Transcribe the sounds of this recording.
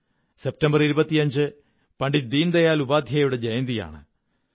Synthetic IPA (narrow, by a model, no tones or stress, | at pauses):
se̞p̚tɐmbɐriɾubɐt̪ːijɐɲd͡ʑɨ | pɐɳɖid̪iːnd̪ɐjaːlubaːd̪ʱjɐjuɽed͡ʑejɐnd̪ija̰ːɳɨ̰